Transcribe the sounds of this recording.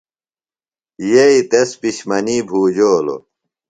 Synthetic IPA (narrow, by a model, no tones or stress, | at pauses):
jeit̪espiɕmɐniːbʱuːd͡ʑoːlo̰